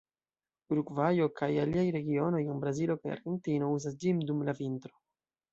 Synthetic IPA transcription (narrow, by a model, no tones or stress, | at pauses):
uɾuɡvajo̞kʰajaliajɾe̞ɡio̞no̞jenbɾazilo̞kaja̰ɾɡe̞ntino̞uzas̬d͡ʒimdumlavintɾo̞